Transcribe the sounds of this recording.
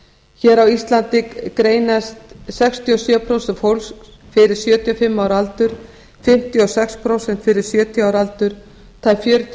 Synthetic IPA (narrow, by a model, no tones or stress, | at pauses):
çɛːɾawist̪lant̪ɪkɾeːjnast̪sɛkst̪ʰiɔsjœːpʰɾowsɛnfowlsk | fɪɾɪɾ̥sjœːt̪ʰiɔfɪmːaːwɾalt̪ʏɾ̥ | fɪm̥t̪ʰiɔsɛkspʰɾowsɛnt̪fɪɾɪɾ̥sjœːt̪ʰiaːwɾalt̪ʏɾ̥ | t̪ʰaːjfjœːɾʏt̪ʰ